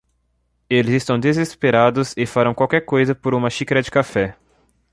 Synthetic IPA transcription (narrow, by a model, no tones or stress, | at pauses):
elɪzɪst̪ɐ̃w̃d̪ezespeɾad̪ʊzɪfaɾɐ̃w̃kwawkɛɾkojzɐpoɾũmɐʃikɾɐd͡ʒɪkafɛ